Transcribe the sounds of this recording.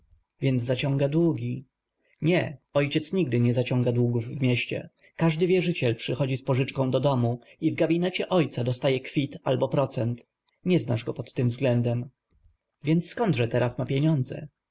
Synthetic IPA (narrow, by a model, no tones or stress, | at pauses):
vʲjɛnd̪zːat͡ɕɔ̃ŋɡad̪wuɡʲi | ɲɛɔjt͡ɕɛt̪sɲiɡd̪ɘɲɛzat͡ɕɔ̃ŋɡad̪wuɡuvːmʲjɛɕt͡ɕɛ̰ | kaʐd̪ɘvʲjɛʐɘt͡ɕɛlpʂɘxɔd͡ʑispɔʐɘt͡ʂkɔ̃w̃d̪ɔd̪ɔmuivɡabʲinɛt͡ɕɛʔɔjt̪sad̪ɔst̪ajɛkfʲit̪albɔpɾɔt̪sɛnt̪ | ɲɛzna̰ʐɡɔpɔt̪ːɘmvzɡlɛnd̪ɛm | vʲjɛnt̪skɔnd̪ʐɛt̪ɛɾasmapʲjeɲɔnd̪zɛ̰